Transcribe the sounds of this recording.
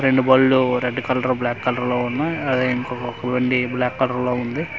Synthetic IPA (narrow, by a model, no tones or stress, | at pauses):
ɾeɳɖubɐːlːuɾeɖːkɐlɐɾblaːkːɐlɐɾloːunːaɐd̪eːiŋkɔkɔkɐʋɐɳɖiblaːkːɐlɐɾlo̞ːund̪i